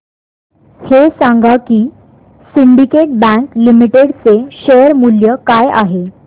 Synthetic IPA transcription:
hesãŋɡakiː | siɳɖikeʈ̚bæ̃ŋklimiʈeɽt͡seɕejəɾmuljəkaja̰ɦe

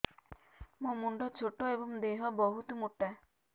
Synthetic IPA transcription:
momuɳɖɔt͡ʃʰoʈoebɔŋd̪eɦɔbɔɦut̪omuʈːa

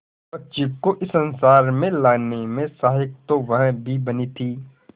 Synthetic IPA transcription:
pɐtːʃikoʔɪsənsaːɾmẽlaːnemẽsaːɦɪk̚t̪oʋɐɦbʱibɐnit̪ʰiː

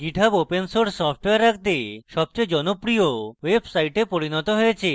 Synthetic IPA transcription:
ɡiʈʰabopensoɾsɔfʰʈweaɾːakʰt̪eʃɔb̚t͡ɕejd͡ʑɔnopɾiowebsajʈepoɾinɔt̪oɦojet͡ɕʰe

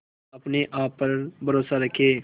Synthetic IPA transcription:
ɐpneʔaːpːɐɾbɐɾoːsaɾɐkʰːeː

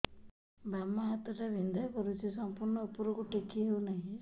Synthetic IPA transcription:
bamːaɦat̪ɔʈaʋind̪ʱajkɔɾut͡ʃʰisɔmpuɾɳɔupuɾɔkuʈekʰiɦewnaɦĩ

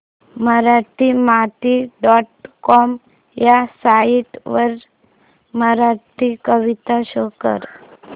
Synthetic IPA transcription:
məɾaʈimat̪iɖɔʈ̚kɔm | jasaiʈʋəɾ | məɾaʈikəʋit̪aɕəkə̰ɾ

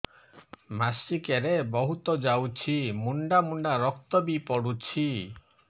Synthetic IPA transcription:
masikeɾebɔɦut̪ɔd͡ʒawt͡ʃʰimuɳɖamuɳɖaɾɔk̚t̪ɔbipɔɽut͡ʃʰi

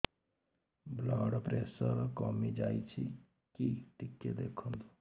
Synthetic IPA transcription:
blaːɽpɾesəɾkɔmid͡ʒaːjt͡ʃʰi | kiʈikːed̪ekʰund̪o

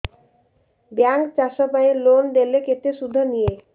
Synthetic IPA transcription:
baŋkt͡ɕaʃopaelonɖ̪eleket̪eʃud̪ʱːonije

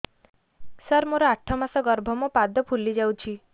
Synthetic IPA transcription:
səɾmoɾɔaʈʰɔmasɔɡɔɾbʱɔmɔpad̪ɔpʰulid͡ʒawt͡ʃʰi

